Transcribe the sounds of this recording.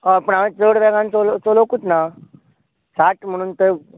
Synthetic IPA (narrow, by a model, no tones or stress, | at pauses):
əpəɳaʋẽt͡səɽʋɛɡãnt͡solot͡solokut̪na | saʈm̤əɽ̃uːnt̪ə